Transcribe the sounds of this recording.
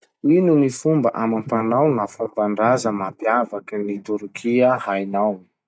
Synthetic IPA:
inunifumbə̰ʔamampanawnafavaɳɖ͡ʐazəmapiavakənit̪uɾkʰiəhajnawi̥

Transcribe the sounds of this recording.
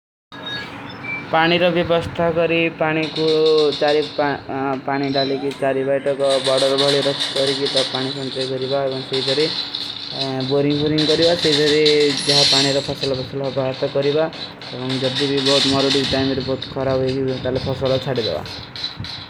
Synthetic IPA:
paɽ̃iɾʌbjʌbʌst̪ʰaɡʌɾipaɽ̃ikut͡ʃaɾi | paɽ̃iɖalekit͡ʃaɾibajʈʌkɔbɔɽʌɾbʱʌɭiɾʌt͡ʃkʌɾikit̪ʌpaɽ̃isʌnt͡sajɡʌɾibaebʌŋt̪eɦid͡zʰʱʌɾi | boɾiŋpʰoɾiŋɡʌɾibat̪eɦid͡zʌɾid͡ʒaɦapaɽ̃iɾʌpʰʌsalʌbʰʌsalːbaɦat̪ʌkʌɾiba | ebʌŋd͡zʌd̪ibibʌɦut̪mʌɾoɽiʈajmeɾubʌut̪kʰʌɾabuekialepʰʌsɔlʌt͡sʰaʈid̪ḛba̰

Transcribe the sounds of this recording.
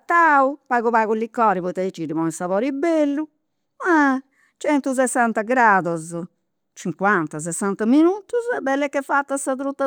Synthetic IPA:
t̪ːaupaɣuβaɣulːikːɔːɾiβɔt̪ːait͡ʃːiɾimɔisavɔːɾibelːu | ma | t͡ʃɛnt̪us̬ɛsːant̪aɡɾaːd̪ɔz | t͡ʃiŋkwant̪as̬ɛsːant̪aminut̪uzɛbːɛlːɛkːɛfat̪ːasat̪ɾut̪ːa

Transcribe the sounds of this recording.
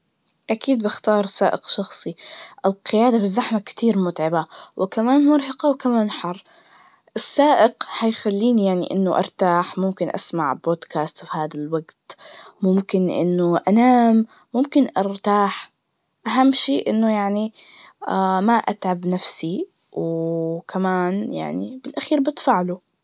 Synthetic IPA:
ʔakiːd̪̚bɪxt̪ɑːɾˤsaːʔɪqʃɑxsˤiʔɪlqɪjaːd̪abɪzːaħmakt̪iːɾmʊt̪ʕɪbawʔɪkamaːnmʊɾhɑqɑwkamaːnħɑrˤː | ʔɪsːaːʔɪqhajxalːiːnijaʕnḭʔɪ̰nːʊʔɑ̰ɾˤt̪aːħmʊmkɪnʔa̰smaʕboːd̪kaːst̪fihaːd̪alwaɡt̪mʊmkɪnʔɪ̰nːʊʔanaːmː | ʊmkɪnʔɑɾˤt̪aːħ | ʔaɦamːʃeːʔɪnːʊjaʕni | ʔamaʔa̰t̪ʕabnafsi | wkʰamaːnja̰ʕnḭbɪlʔaxiːɾbɪt̪faʕlu

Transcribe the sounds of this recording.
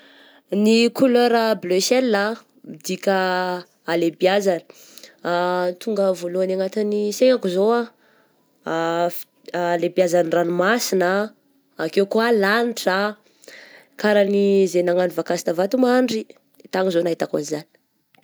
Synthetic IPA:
nikuløɾəblesɛlːa | mid̪ikʲəː | lebjazanə̥ | t̪uŋɡəvoluanaŋat̪iniseŋakuzoa | lebazanranimasinəː | kewkualaniʈ͡ʂa | kaɾənizenaŋanivakasi̥nəvat̪umaɳɖ͡ʐi | t̪aŋizonaɦit̪akunizani̥

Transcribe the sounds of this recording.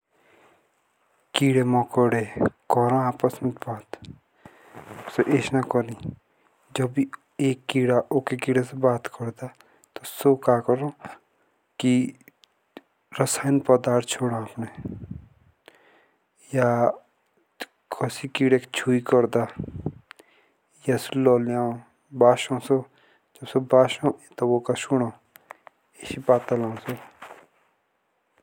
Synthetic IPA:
kiːɽemɔkɔɽekɔɾãaːpəsmet̪baːt̪ | soʔeʃnakɔnĩ | d͡ʒʌbi | eːkːiːɽaʔokekiɽesebaːt̪kɔɾd̪a | t̪osokakɔɾõ | ki | ɾəsaːjnpəd̪aːɾt̪t͡ʃʰoːɽãapne | ja | kʰɔsikiɽekt͡ʃʰuikɔɾd̪a | jaslɔːljaːõ | baːʃõːso | d͡ʒʌbsobaːʃõt̪ɔbokasuɽ̃õː | esipaːt̪əlãso

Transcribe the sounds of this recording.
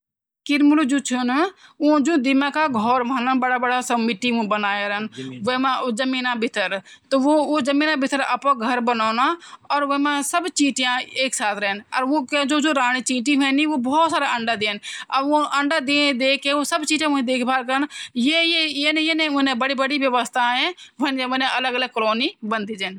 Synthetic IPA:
kɪɾmʊld͡ʒuːt͡ʃʰʊnʊ̃d͡ʒõːd̪ɪmãːkaɡʱɔːɾʋãːnənbəɽaːbəɽasəmɪʈːiũbənaːjaɾənʋemãzəmiːnãːbɪt̪ʰəɾt̪oʋoːoːzəmiːnãbɪt̪ʰəɾəpãɡʱəɾbənoːnaːɔːɾʋemãsəbt͡ʃiːʈɪjãːeːksaːt̪ʰɾɛːnɔːɾʋoːked͡ʒoːd͡ʒoːɾaːɽ̃it͡ʃiːʈiʋɛ̃ːniʋobɔːt̪saːɾaʔə̃ɳɖad̪eːnəõʔə̃ɳɖad̪eːd̪eːkʰeosəbt͡ʃiːʈãʊ̃ẽd̪eːkʰbaːɾkəɾənjejejenjeːnẽʊnẽbəɽibəɽiʋjəʋəst̪ʰaɦɛ̃ʋəneʋẽnẽələɡələɡ̚kəloːnibənd̪iːd͡ʒɛːn

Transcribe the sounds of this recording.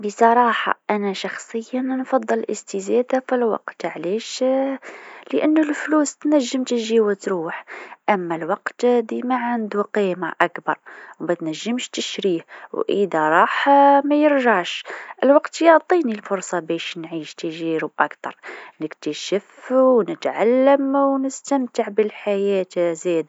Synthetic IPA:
bəsˤɑɾˤɑħɑ̰ʔænæʃɑxsˤəjːannfɑd̪ˤːəlʔəst̪əzæd̪afilwɑ̰qt̪ʕliʃ | ləʔənːlflust̪næʒːəmt̪əʒiwæt̪ɾuħʔæmːælwɑqt̪d̪imæʕand̪uqima̰ʔækbɑ̰ɾˤwmæt̪næʒːəmʃt̪əʃɾihwʔə̰d̪æɾˤɑħmæjəɾʒaʕʃʔəlwɑqt̪jɑʕt̪ˤinilfʊɾˤsˤɑbæʃnʕiʃt̪əʒiɾub̚ʔækt̪ɑ̰ɾˤnəkt̪æʃəfwnət̪ʕalːəmwnəst̪æmt̪əʕbəlħajæt̪zæd̪

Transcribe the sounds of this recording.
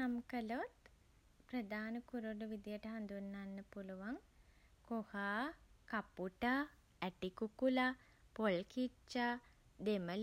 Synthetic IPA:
amkəlot̪ | prəd̪aːnəkuɾuɖəʋid̪ijəʈəɦand̪unːanːəpuluʋaŋ | kohaːkapuʈa | ɛʈikukula | polkit͡ʃːa | d̪eməl

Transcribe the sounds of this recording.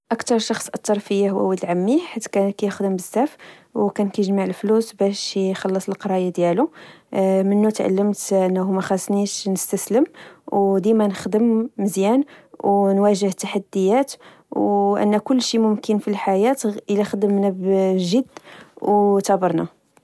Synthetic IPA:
ʔəkt̪ɑɾˤʃɑxsˤʔɑt̪ːɑɾˤfəjːahwæ̰wəlʕamːiħat̪ːkækæjəxd̪əmbəzːæf | wkænkæjəʒmaʕəlflusbæʃxɑlːəsˤəlqɑɾˤɑjad̪jælu | mənːut̪ʕa̰lːəmt̪ʔənːæhumæxæsniʃnəst̪æsləmwd̪imænəxd̪əmːəzjænwnwæʒəht̪ːaħad̪ːəjːæt̪ | wʔə̰nːækʊlːʃimʊmkənfilħajæt̪əlæxd̪əmnæbʒəd̪ːwt̪æbəɾˤna

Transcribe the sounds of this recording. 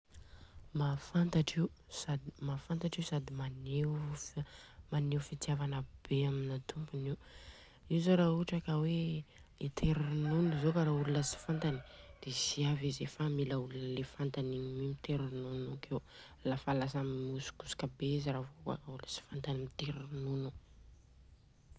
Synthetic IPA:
mafant̪aʈ͡ʂiu | sad̪imafant̪aʈ͡ʂiusad̪imane | maneufit̪javanəb̥eaminat̪ʰumpuniu | izoɾaɦuʈ͡ʂakəweet̪ʰeɾinunizokaɾaulunəsi̥fant̪ani̥d̪̥eziavizefamilaulunəlefant̪aninimimit̪eɾinunukew | lafalasamimusu̥ku̥su̥kabeiziɾavoka̰kauləsi̥fant̪animit̪eɾinunu

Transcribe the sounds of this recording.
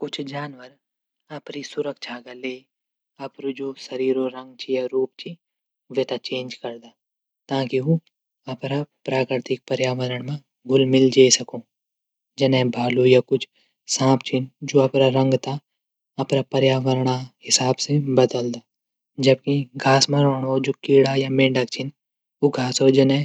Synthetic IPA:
kʊt͡ʃʰd͡ʒaːnʋəɾ | ɐpɾisʊɾəkʃʰaɡɐleː | ɐpɾod͡ʒoːsɐɾiːɾoɾɐ̃ŋɡt͡ʃʰijaɾuːp̚t͡ʃʰi | ʋeːt̪at͡ʃẽːnd͡ʒkɐɾd̪aː | t̪ãːkio | ɐpɾapɾaːkɾɪɾt̪ɪk̚pɐɾjaːʋəɾəɽ̃mã | ɡʱʊlmɪld͡ʒaːsɐkoː | d͡ʒɐnɛ̃bʱaːlujakʊt͡ʃʰ | sãːpt͡ʃʰind͡ʒoːɐpɾaɾɐ̃ŋɡt̪a | ɐpɾapɐɾjaːʋəɾɳaɦɪsaːbsebɐd̪əld̪aː | d͡ʒɐb̚kiɡʱaːsmãɾɔːɳod͡ʒoːkiːɽajamẽːɳɖakt͡ʃʰɪn | oɡʱaːsod͡ʒɐnẽ

